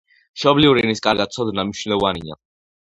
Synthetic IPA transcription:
ʃɔbliuɾiniskʼaɾɡat̪̚sʰɔd̪namniʃwnlɔvania̰

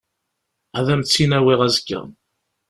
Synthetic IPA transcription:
æðæmt͡sːinæwiʁæzəkːə̰n

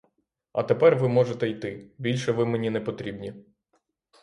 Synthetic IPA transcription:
ɐ̰t̪epɛrʋɪmɔʒet̪ɛjt̪ɪbʲilʲʃɛʋɪmenʲinɛpɔt̪ɾʲibnʲi

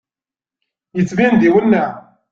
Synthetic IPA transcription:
jət͡sːvind̪iwənːæ

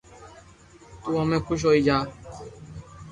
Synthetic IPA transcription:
t̪uɔmɛ̃kuʃ̬ɔid͡ʒa

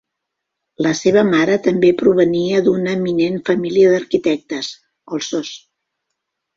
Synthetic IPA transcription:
ləseβ̞əmaɾət̪əmbepɾuβ̞əniəd̪unəminenfəmiliəðəɾkit̪ɛk̚t̪əs | ɔlˠsos

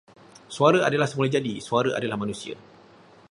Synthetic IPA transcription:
suaɾəa̰dalahsəmulad͡ʒadisuaɾəʔa̰dalahmãnũsia̰

